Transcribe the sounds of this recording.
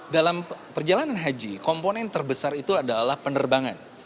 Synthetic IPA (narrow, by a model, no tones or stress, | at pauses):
dalampərd͡ʒalananɦad͡ʒikomponɛnt̪ərbəsarit̪uadalahpənərbaŋan